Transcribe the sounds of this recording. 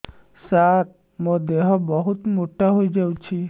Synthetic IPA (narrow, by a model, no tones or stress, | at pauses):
saɾ | mod̪eɦɔbɔɦut̪moʈaɦojd͡ʒawt͡ʃʰi